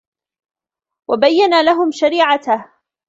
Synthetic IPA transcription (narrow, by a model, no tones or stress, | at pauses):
wabajːanalaɦʊmʃaɾiːʕat̪h